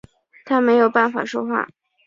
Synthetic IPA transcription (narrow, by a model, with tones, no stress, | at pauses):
t̪ʰa˥me˧˥ɪjo˨˩ʊpa˥˩nfa̰˨˩ʂo˥xwa̰˥˩